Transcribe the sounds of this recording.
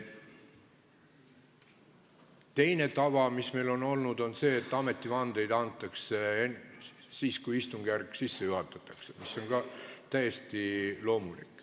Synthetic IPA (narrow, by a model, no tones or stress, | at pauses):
t̪e̞jne̞t̪ɑvɑmisme̞jlo̞no̞lnud̪̥o̞nse̞ːet̪ːˑɑme̞t̪ːˑivɑnd̪̥e̞jd̪ɑnt̪ːˑɑkseensiːskujist̪uŋɡ̥ærkːˑsisːejuɦɑt̪ːˑɑt̪ːˑɑksemiso̞nɡ̥ɑt̪æjest̪ilo̞ːmulḭkːˑ